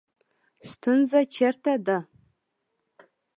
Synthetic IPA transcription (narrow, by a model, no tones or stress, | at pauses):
stʷʰʊnzat͡ʃʰɛrtʰada